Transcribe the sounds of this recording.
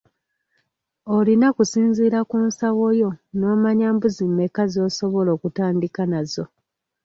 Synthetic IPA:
olinakusiːnziːɾakuːnsawo̞jo̞no̞ːmaɲaːmbuzimːe̞kazo̞ːso̞βo̞lo̞ːkutaːndikanazo̞

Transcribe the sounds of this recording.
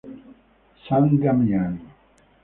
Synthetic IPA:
sɐŋɡɐmjaːni

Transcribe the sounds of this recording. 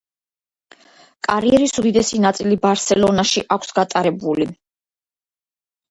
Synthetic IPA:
kʼaɾiɛɾisud̪id̪ɛsinat̪sʼilibaɾsɛlɔnaʃiʔakʷʰsɡat̪ʼaɾɛbuli

